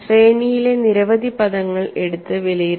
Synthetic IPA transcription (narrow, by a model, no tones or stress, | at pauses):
sreːɳijile̞niɾɐʋɐd̪ʱipɐðɐŋːɐɭe̞ɽut̪ːɨʋilɐjiɾ